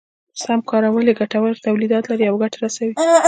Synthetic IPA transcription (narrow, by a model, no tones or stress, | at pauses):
samkɑɾawəleɡaʈawəlt̪awlid̪ɑt̪laɾiawɡaʈaɾasawi